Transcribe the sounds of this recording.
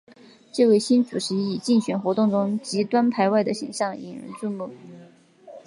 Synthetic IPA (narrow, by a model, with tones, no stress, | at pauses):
ʈ͡ʂɤ˥˧we˥˩ɪɕi˥nt͡su˨˩ʂʰɻ̩˧˥i˨˩t͡ɕi˥˩ŋɕɥɛ˨˩nxwɔ˧˥t̪ʊ˥˩ŋʈ͡ʂʊ˥ŋt͡ɕi˧˥t̪wa˥npʰa˧˥ɪwa˥˩ɪd̪ə˩ɕḭ˨˩ŋɕjɑ˥˩ŋḭ˨˩ɻə̰˧˥nt͡su˥˧mu˥˩